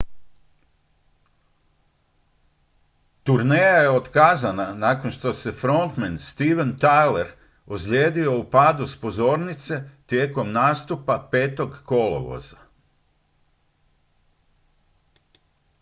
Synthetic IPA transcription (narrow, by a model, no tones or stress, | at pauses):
t̪uɾneːjajeot̪kaːzananaːkonʃt̪o̞se̞fɾo̞nt̪menst̪iʋent̪ajleɾ | osʎʲeːd̪io̞upaːd̪uspo̞zo̞ːɾnit̪se̞t̪je̞ːko̞mnaːst̪upape̞ːt̪o̞ɡko̞lo̰ʋo̰za